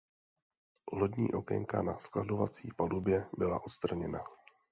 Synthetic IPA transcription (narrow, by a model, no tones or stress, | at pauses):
lodɲiːʔo̞kɛ̰ŋka̰naskladovat͡siːpalubjɛbɪla̰ʔo̞t̪st̪ɾaɲɛna